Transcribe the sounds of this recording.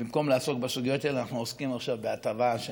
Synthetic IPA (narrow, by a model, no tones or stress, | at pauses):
imko̞mlaːso̞k̚besuɡijot̪aelanaχnuoskimaχʃavbeat̪avaʃ